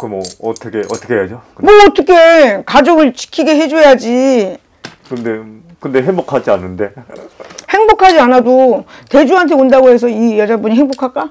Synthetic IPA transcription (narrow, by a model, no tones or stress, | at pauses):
kɯmʌʌtʰʌkʰeʔʌt͈ʰʌkʰeɦejad͡ʑoɯmoʌt͈ʰʌkʰekad͡ʑoɡɯɭt͡ɕi̥kʰiɡe̞ɦe̞d͡ʑojad͡ʑi | kɯnde | kɯnde̞ɦeŋbokʰad͡ʑianːɯnde̞ | he̞ŋbokʰad͡ʑianadote̞d͡ʑuɦant̬ʰe̞ondaɡoɦe̞s̬ʰʌijʌd͡ʑabuɲiɦeŋbokʰak͈a